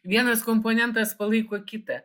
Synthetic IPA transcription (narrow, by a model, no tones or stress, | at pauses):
ʋʲiɛnɐskomponʲɛnt̪ɐspɐlˠɨkokʲit̪ɐ